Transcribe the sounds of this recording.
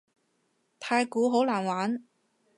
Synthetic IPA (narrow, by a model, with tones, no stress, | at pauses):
t̪ʰaː˧jkuː˨˥ɦo˨˥wlaː˨˩nwaː˨˥n